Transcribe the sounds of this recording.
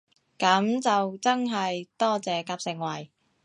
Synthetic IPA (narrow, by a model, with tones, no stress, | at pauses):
kɐ˨˥mt͡sɐ˨wt͡sɐ˥nɦɐ˨jt̪ɔː˥t͡sɛː˨kaː˧p̚sɪ˨˩ŋwɐ˨˩j